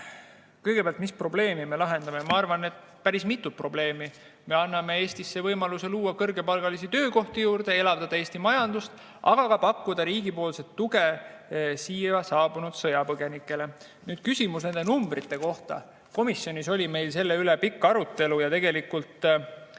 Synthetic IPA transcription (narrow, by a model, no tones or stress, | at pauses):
kɤjɡ̥e̥æɑlt̪mispro̞ble̞ːmime̞lɑɦe̞nd̪̥ɑme̞mɑɑrvɑne̞t̪ | pæɾismit̪ˑːut̪̚pro̞ble̞ːmi | me̞ɑnːɑme̞e̞ːst̪isːe̞vɤjmɑluse̞luːɑkɤrɡe̞pɑlɡ̥ɑlisit̪ø̞ːko̞ht̪ijuːɾd̪̥e̞elɑvd̪ɑd̪ɑe̞ːst̪imɑjɑnd̪̥ust̪ | ɑ̰ɡ̥ɑɡ̥ɑpɑkːud̪̥ɑɾiːɡ̥ipo̞ːlset̪ːuɡe̞ | siːɑsɑːb̥unud̪̥sɤjɑpɤɡ̥e̞nikːˑe̞le̞ | nyːd̪̥kysʲimus̬ne̞nd̪enumbrit̪ːe̞ko̞ht̪ɑ̰ | ko̞misːjo̞nʲiso̞lʲime̞jlse̞lːe̞yle̞pikːɑɾut̪ːe̞lujɑt̪e̞ɡe̞likːult̪